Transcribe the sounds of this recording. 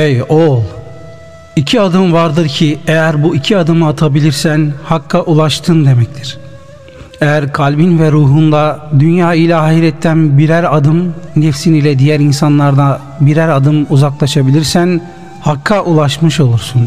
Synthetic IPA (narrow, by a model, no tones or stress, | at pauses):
ejolˠ | icʰiad̪ɯmvaɾd̪ɯɾcʰiejæɾbuicʰiad̪ɯmɯat̪ʰabilʲiɾsænhakʰːaʔulˠaʃt̪ʰɯnd̪e̞mɛct̪ʰiɾ̥ | ejæɾkʰalʲbinvɛɾuːɦund̪ad̪ynjaːilʲaaːɦiɾɛt̪ʰːænbiɾæɾad̪ɯmnɛfsinilʲɛd̪ijæɾinsanlˠaɾd̪a | biɾæɾad̪ɯmuzaklˠaʃabilʲiɾsæn | hakʰːaʔulˠaʃmɯʃo̞lˠuɾsun